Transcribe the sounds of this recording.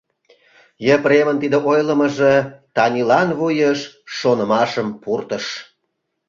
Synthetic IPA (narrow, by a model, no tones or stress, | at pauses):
jəpɾemənt̪id̪əʔojləməʒet̪ɑnʲilɑnβujəʃːonə̆mɑʃəmpurt̪əʃ